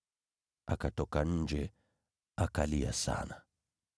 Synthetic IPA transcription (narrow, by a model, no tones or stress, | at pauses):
akatɔkaɲ̩d͡ʒɛ | akalia̰sa̰na